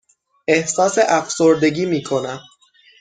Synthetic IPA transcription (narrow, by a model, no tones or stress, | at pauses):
ʔe̞hsɒːseʔæfsoɾd̪e̞ɟiːmiːkʰo̞næm